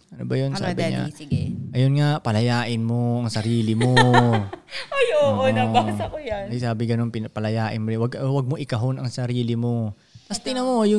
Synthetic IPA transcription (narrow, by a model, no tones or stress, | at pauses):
ʔɐnobɐjonsa̰ːbɪɲa̰ɡʔɐjonŋaʔpɐlɐjaːʔɪnmo̞ɐŋsɐɾiːlɪmo | ʔajoːʔoabasɐkojanɐsaːbɪɡɐno̞npɪnɐpɐlɐjaːʔɪnmowɐɡwɐɡ̚moʔɪkɐɦo̞nɐŋsɐɾiːlɪmo̞ | t̪ɐst̪ɪnɐmojʊ